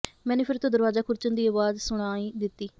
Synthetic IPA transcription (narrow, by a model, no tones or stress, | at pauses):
mɛ̃ːnẽːpʰɪɾt̪õːd̪əɾʋaːzaːkʰʊɾt͡ʃənd̪iːəʋaːzsʊɽ̃aːiːd̪ɪt̪ːiː